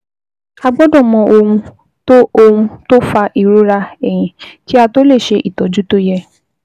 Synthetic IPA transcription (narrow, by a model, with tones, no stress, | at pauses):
a˧ɡ͡bɔ˦dɔ̃˦˨mɔ̃˧o˧ũ˧ | to˦o˧hũ˧to˦fa˧ʔi˨ɾo˦ɾa˧ɛ˨j̃ĩ˨ki˦a˧to˦le˦˨ʃe˧ʔi˨tɔ˨˦d͡ʒu˦to˦jɛ˧